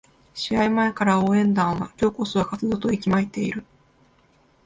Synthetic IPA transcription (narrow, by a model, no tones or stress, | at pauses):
ɕiaimae̞kaɾaoːẽ̞nd̪ãɰ̃βakʲo̞ːko̞sɨβakat͡sɨd̪o̞t̪o̞ikʲimait̪e̞iɾɯ̟